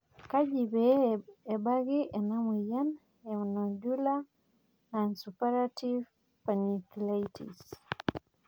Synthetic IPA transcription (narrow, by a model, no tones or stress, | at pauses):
kad͡ʒibɛɛbaɡiʔɛnamujan | ɛunod͡ʒula | nansupaɾativ | panikilajtḭs